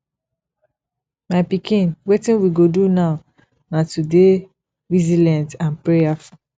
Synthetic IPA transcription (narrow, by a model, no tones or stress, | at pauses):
maɪpikĩnwetĩnwiɡodunaʊ | natude | vizilɛ̃ntãnpɹejafɔ